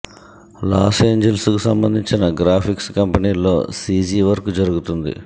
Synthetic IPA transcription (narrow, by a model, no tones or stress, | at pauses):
laːse̞ːɲd͡ʒelskusɐmbɐnd̪ʱiɲt͡ʃinɐɡɾaːpʰikskɐmpɐniːlo̞ːsiːd͡ʒiːʋɐɾkud͡ʒɐɾuɡut̪und̪ḭ